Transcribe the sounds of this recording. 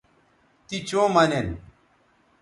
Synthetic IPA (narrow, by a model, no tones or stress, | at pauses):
t̪it͡ɕõːmɐnen